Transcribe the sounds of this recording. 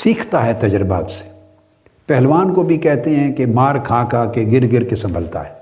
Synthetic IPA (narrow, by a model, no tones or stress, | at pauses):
siːkʰt̪aɦɛt̪ɐd͡ʒɾba̰ːt̪se̥ | pɛɦlʋaːnkobʱikɛɦt̪eɦɛ̃kemaːɾkʰaːkakeɡɪɾɡɪɾkesɐ̃mbʱəlt̪a̰ɦɛː